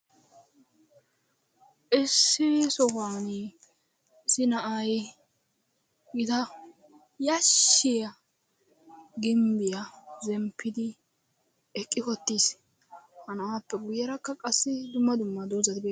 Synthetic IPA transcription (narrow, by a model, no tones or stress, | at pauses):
ʔɪsːɪsɔfaːn | ɪsɪnɐʔaːj | ɡɪt̪ɐ | jɐʃːɪjɐ | ɡɪmbɪjɐzɛmpʰːɪd̪ɪ | ɛkʼːɪkɔt̪ːiːs | hɐnɐaːpːɛɡʊjːɐɾɐkːɐkʼɐsːɪd̪ʊmːɐd̪ʊmːɐd̪oːzɐt̪ɪbe